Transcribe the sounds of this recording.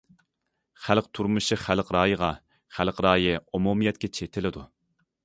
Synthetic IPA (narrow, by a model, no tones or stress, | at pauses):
χælq̚t̪ʰuɾmɨʃɨχælqɾɑːjəʁɑ | χælqɾɑːjiumumɨjɛt̪̚kʲɛt͡ʃʰet̪ʰɪlɪd̪u